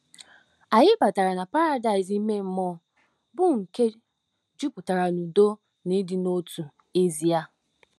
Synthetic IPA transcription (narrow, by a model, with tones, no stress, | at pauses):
a˨ɲɪ˦ba˨ta˨ɾa˨na˨pa˦ɾa˦da˨ɪ˨z̬i˦me˦m̩˦mɔ˦ | bʊ˦ŋ̩˨ke˦ | d͡ʒu˦pʊ˨ta˨ɾa˨nu˨do˦ | ni˦dɪ˦no˦tu˨ | e˦zi˨a˦